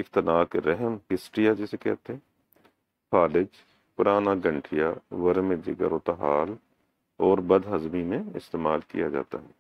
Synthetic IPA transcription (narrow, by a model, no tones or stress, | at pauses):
ɪkt̪ɪnaːkɾɛɦəmɦɪsʈɾijad͡ʒɛːsekɛ̰ːt̪eɦɛ̃ | kʰaːlɪd͡ʒ | pʊɾaːnaɡə̃ɳʈʰijaʋəɾmẽd͡ʒɪ̰ɡə̰ɾoːt̪aɦaːl | ɔːɾbɐd̪ɦɐzmimẽɪst̪eːmaːlkḭjad͡ʒa̰ːt̪a̰ɦɛː